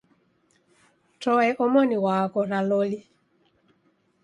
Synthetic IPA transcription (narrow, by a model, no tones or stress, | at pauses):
tɔɛʔɔmɔniwakɔɾalɔli